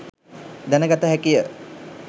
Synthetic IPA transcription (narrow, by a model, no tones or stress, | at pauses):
d̪ænəɡat̪əɦækijə